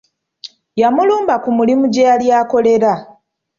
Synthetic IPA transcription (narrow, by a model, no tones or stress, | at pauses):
jamuluːmbakumulimuɟejaljaːko̞le̞ɾa